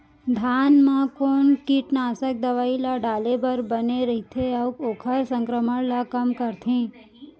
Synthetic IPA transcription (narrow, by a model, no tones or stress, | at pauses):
d̪ʱanmãkoɳkiʈnaːsək̚d̪əʋailaɖalebəɾbəneɾəɦit̪ʰeaukokʰəɾsə̃ŋkɾəməɽlakəmkəɾt̪ʰĩː